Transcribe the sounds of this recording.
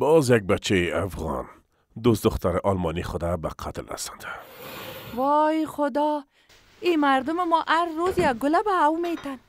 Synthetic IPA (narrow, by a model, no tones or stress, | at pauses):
bɔzjak̚bat͡ʃʰːeʔafɣɑ̰n | d̪ost̪d̪ʊχt̪aɾeʔɒlmɑniχʊd̪aba̰qʰat̪la̰sɑ̥nd̪a | wɔjxʊd̪ɔ | imaɾd̪ʊmɪmɔʔaɾːozjaɡɡʊlabaːwmet̪an